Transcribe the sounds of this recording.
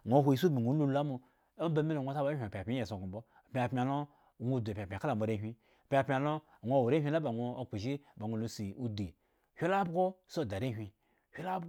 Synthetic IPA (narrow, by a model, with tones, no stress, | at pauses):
ŋʷo˨˦ɦʷo˨i˨s̬u˦bi˨ŋʷo˨˦lu˦la˦mu˧ | o˦m˦ba˨˦mi˦no˨ŋʷo˦ta˦ba˨˦hʲʷpʲpʲi˦je˨so˨ɡu˨mbo˦˨pʲi˦a˨pmʲi˦a˨lo˦˨ | ŋʷo˦˨du˨pʲpʲa˨ka˦la˨m˨o˨ɾe˦ɦʲʷi˦˨ | pʲi˦a˨pʲi˦a˨lo˦˨ | ŋʷo˦˨wo˨ɾe˦hʷi˦la˦ba˨ŋʷo˦˧o˨k͡pu˨ʒi˦˨ba˨ŋʷo˨lu˨si˨u˦di˨ | hʲʷi˦la˦bɡo˦so˦˨da˨ɾe˦ɦʷi˧ | hʷi˦la˦b